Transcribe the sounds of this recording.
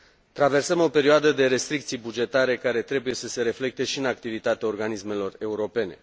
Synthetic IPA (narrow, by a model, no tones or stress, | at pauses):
t̪ɾave̞rsəmo̞pe̞ɾioad̪əd̪e̞ɾe̞st̪ɾik̚t̪sijbud͡ʒe̞t̪aɾe̞kaɾe̞t̪ɾe̞buje̞səse̞ɾe̞fle̞k̚t̪e̞ʃiɨnak̚t̪ivit̪at̪eao̞rɡanisme̞lo̞re̞uɾo̞pe̞ne̞̰